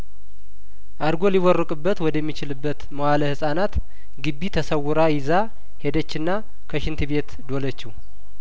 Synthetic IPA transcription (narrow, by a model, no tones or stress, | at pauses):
ʔaɾɡo̞liwɔrːəkʼɨbːət̪wɔd̪əjɛmːit͡ʃɪlɨbːət̪məwaləhɨsʼanat̪ | ɡɨbːit̪ʰəsəwːʊɾajɪza | he̞d̪ət͡ʃːɨnːa | kʰəʃɪnt̪ʰɨbe̞t̪d̪o̞lət͡ʃːɪh